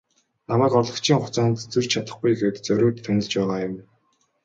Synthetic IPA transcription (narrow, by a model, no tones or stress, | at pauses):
namæːkɔrɮɞ̆kt͡ɕʰiːŋχʊt͡saːnt̪t͡sur̥ʲt͡ɕʰat̪ə̆χɡujexeːt̪t͡sœɾʲʊːt̪ʰːænʲɪ̆ɮt͡ɕpæːʁaːjʊm